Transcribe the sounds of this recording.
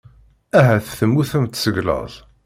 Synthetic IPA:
æɦæθθəmːuθəmt̪səɡlə̰ðˤ

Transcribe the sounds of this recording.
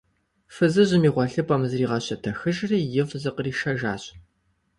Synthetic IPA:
fɨzɨʑɪmiːʁʷɔɬɨpʼɐmɨzriːʁɐɕɐtʰɐxɨʒriːjɪfzɨqəriːʃɐʒa̰ːɕʼ

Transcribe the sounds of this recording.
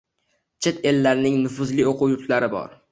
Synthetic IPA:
t͡ʃʰɪt̪ʰe̞lːaɾnɪŋnʊfʊzlɪoqʊjʊɾt̪ʰlaɾɪbɒ̰ɾ

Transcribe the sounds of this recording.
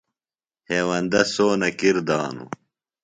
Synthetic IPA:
heːwɐnd̪ɐsoːnɐkiɾd̪aːnṵ

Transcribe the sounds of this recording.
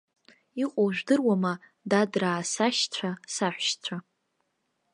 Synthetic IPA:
iqʼoʒᶣʷdɨrwama | dadraːsaʃt͡ɕʷʰasaħʷᶣʃʷʰa

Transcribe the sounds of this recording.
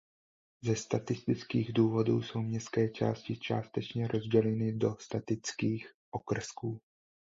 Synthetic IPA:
zɛst̪at̪ɪst̪ɪt͡skiːɣduːvo̞dṵːso̞wmɲɛskɛːt͡ʃa̰ːscɪt͡ʃa̰ːst̪ɛt͡ʃɲɛɾʔo̞zɟɛlɛnɪdo̞st̪at̪ɪt͡skiːxʔokr̩skuː

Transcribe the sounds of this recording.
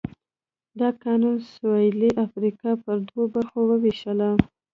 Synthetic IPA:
d̪ɑkɑnunswajliʔafɾikɑpəɾd̪wobaɾxowəweʃəla

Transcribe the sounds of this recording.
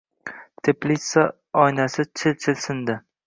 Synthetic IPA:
t̪ʰeplisa | ɒjnasɪt͡ʃʰɪlt͡ʃʰɪlsɪnd̪ɪ

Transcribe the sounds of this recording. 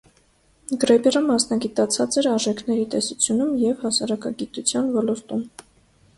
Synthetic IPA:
ɡɾɛbɛrəmɑsnɑɡit̪ɑt͡sʰɑt͡sɛɾɑɾʒɛkʰn̪ɛɾit̪ɛsut͡sʰjunumjɛvhɑsɑɾɑkɑɡit̪ut͡sʰjɑnvɔlɔɾt̪um

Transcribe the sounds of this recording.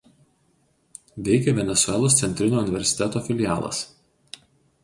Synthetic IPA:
ʋʲɛɪkʲɛʋʲɛnʲɛsʊɛlˠoːst̪sʲɛnʲt̪ʲɾʲɪnʲoːʊnʲɪʋʲɛɾʲsʲɪ̥t̪ʲɛt̪oːfʲɪlʲɪjaːlˠɐ̰s

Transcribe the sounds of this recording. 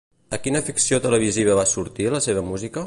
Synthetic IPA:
əkinəfiksiot̪ələβ̞iziβ̞əβasuɾt̪iələseβ̞əmuzikə

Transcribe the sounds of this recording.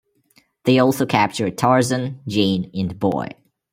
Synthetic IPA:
ðeɪɔlˠsoʊkʰæp̚t͡ʃə˞d̚tʰɑɹzɨ̃nd͡ʒẽɪ̃nɨ̃nbɔ̰ɪ

